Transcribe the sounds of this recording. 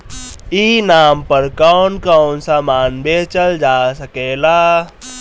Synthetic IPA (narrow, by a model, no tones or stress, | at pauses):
iːnaːmpəɾkɔːnkɔːnsaːmaːnbeːt͡ʃəld͡ʒaːsəkeːlaː